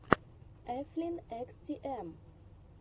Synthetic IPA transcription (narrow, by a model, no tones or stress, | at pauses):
ʔɛflɪnɛkst̪ʰiʔɛm